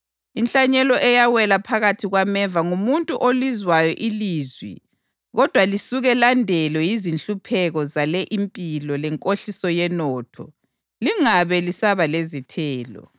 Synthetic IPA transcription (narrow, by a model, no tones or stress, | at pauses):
inɬʼaɲɛlɔʔɛjawɛlapʰaɣatʰiɣwamɛvaŋumuntʼuʔolizwajɔʔiliːzwḭ | ɣɔd̥ʱwalisuɣɛlandʱɛlwɛjizinɬʼupʰɛɣɔzalɛʔimpʼilɔlɛŋkʼoɬisɔjɛnɔːtʰɔ̰ | liŋaβɛlisaβalezitʰɛːlɔ̰